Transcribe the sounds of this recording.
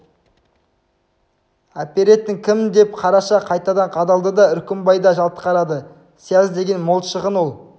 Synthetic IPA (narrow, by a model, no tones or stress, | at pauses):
apʲeɾe̞t̪ːɪŋkʲʰɪmd̪e̞p̚qʰɑɾɑʃɑqʰɑjt̪ɑd̪ɑɴqʰɑd̪ɑlˠd̪əd̪ɑʏɾkʲɪmbɑjd̪ɑʒɑlˠt̪ə̥qɑɾɑd̪ə | sijæzd̪e̞ɡʲe̞nmo̞lˠʃəʁənwo̞lˠ